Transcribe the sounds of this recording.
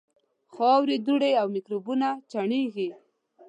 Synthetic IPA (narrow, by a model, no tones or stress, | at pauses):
xɑwɾid̪uɽeawmɪkɾubunat͡ʃaɳeɡi